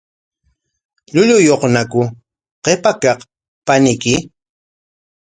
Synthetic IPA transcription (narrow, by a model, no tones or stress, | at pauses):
ʎʊʎʊjoqnakʊ | qepakɑq | panɪkɪ